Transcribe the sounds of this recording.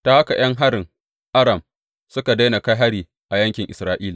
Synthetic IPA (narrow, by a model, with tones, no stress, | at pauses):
ta˦ha˦ka˨j̰ɐ˦ŋɦa˦ɽɪ˨ŋ | ʔa˦ɾɐ˨m | sʊ˦ka˨da˦jna˨ka˦jɦa˦ɽiː˨ | ʔa˨jɐ˦ŋkʲɪ˨ŋʔɪ̰˨sɾaː˦ʔiː˦laː˨